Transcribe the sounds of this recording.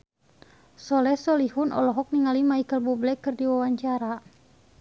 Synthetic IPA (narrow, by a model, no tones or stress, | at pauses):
sɔlɛsɔlihunɔ̰lɔɦɔk̚niŋalimaikəlbublɛkːɨrdiwawaɲt͡ʃaɾa